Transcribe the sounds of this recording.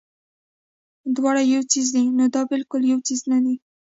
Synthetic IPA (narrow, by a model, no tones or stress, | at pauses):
d̪wɑɽajawt͡sizd̪inod̪ɑbɪlkʊljawt͡siznad̪i